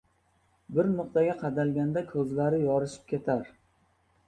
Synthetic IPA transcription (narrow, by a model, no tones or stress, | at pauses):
bɪɾnʊq̚t̪aɡʲaqʰɑd̪alɡʲand̪akʰɵzlaɾɪjɒɾɪʃɪ̥p̚kʲe̞t̪ʰaɾ